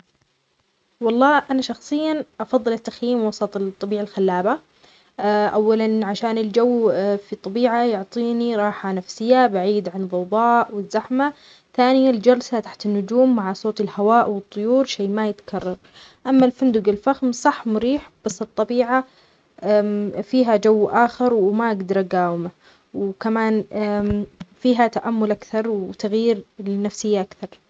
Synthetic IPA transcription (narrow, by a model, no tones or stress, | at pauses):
wɑlˤːɑːʔanaʃɑxsˤɨjːaʔɑfɑðˤːɨlɪt̪ːaxjiːmwɑsˤɑt̪ˤt̪ˤːɑbiːʕalxalːaːba | ʔawːalanʕaʃaːnɪld͡ʒawːfit̪ˤːɑbiːʕajʊʕt̪ˤiːniɾˤɑːħanafsɪjːabaʕiːd̪ʕanðˤɑwd̪ˤɑːʔwɪzːaħma | θaːnɪjald͡ʒɑɾsat̪aħt̪ɪnːʊd͡ʒuːmːaʕasˤoːt̪ɪlhawaːʔwɨt̪ˤːʊjuːɾʃeːmajɪt̪ḁkʰɑrˤːɑɾˤ | ʔamːalfand̪ʊɡɪlfaxmsˤɑħːmʊɾiːħb̥asːɨt̪ˤːɑbiːʕa | fiːɦad͡ʒawːʔaːxɪɾˤwmaʔaɡd̪ɑɾˤʔaɡaːwɪma | wkamaːn | fiːɦat̪aʔamːʊlʔakθɑɾˤwt̪aɣjiːɾlɪnafsɪjːaʔakθɑɾˤ